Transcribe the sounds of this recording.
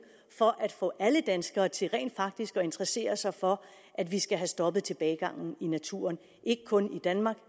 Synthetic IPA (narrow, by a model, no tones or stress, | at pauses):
fɒ̽ʔæd̥fɔ̰̽ːʔæləd̥ænsɡ̥ɐːt͡sʰe̝lʁɛ̰ːnd̥fɑ̈ɡ̥̚d̥isɡ̥ɒ̽e̝nd̥ʁɐse̝̰ːɐsɑ̈ɪfɒ̽ | ʔæd̥ʋisɡ̥æɦæsd̥ɒ̽b̥ð̩ˠt͡sʰe̝lb̥ɛːɪɡ̥ɑ̈ŋ̰n̩inæt͡sʰṵːɐn | ʔe̝ɡ̥əkʰɔ̽nid̥ænmɑ̈ːɡ̥